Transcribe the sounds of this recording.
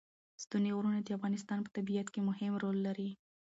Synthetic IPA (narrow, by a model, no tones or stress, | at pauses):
st̪unewɾunad̪əafɣɑnɪs̬t̪ɑnpə̥t̪abijat̪kemʊhɪmɾolːaɾi